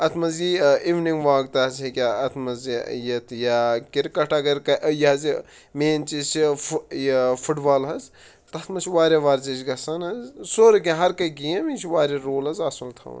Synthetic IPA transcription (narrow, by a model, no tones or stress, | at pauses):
ɐt̪ʰmɐziiʋniŋɡʋaːɡt̪ɐɐzekʲaɐt̪ʰmɐzijɐt̪ʰjakʲiɾkɐʈʰɐɡɐɾkɐʔjɐɦɐzi | meːnt͡ʃisi | fʰuʈbaːlɦɐz | t̪ɐt̪ʰmɐt͡ʃʰʋaːɾʲeʋaːɾzit͡ʃɡɐsɐnɐzsoːɾk̬ʲiɦɐɾkɐɡiɐmit͡ʃʰʋaːɾeɾoːlɐzɐsɐlt̪ʰɐ̰ːn